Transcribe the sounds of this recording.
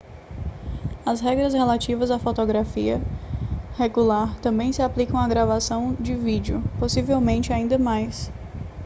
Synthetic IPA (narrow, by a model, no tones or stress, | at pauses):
ɐsɦɛɡɾɐshelat͡ʃivɐzafot̪oɡɾafiɐ | heɡulaɾt̪ɐ̃mbẽj̃sɪaplikɐ̃w̃aɡɾavasɐ̃w̃d͡ʒɪvid͡ʒɪʊposivewmẽnt͡ʃɪaĩnd̪ɐmajs